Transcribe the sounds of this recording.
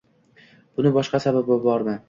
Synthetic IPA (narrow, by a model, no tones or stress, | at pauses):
b̥ʊnɪbɒʃqɑsababbabɒɾd̪ɪ